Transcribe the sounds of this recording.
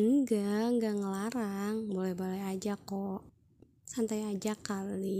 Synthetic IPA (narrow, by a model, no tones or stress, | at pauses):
ɡaŋɡaŋəlaɾaŋbolɛhbolɛad͡ʒako | sant̪ajad͡ʒakali